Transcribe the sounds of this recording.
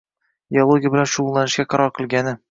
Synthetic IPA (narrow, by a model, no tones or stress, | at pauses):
iolˠoɡʲijabɪlanʃʊʊlˠlanɪʃɡʲaqʰɑɾɒɾqʰɨlˠɡʲanɪ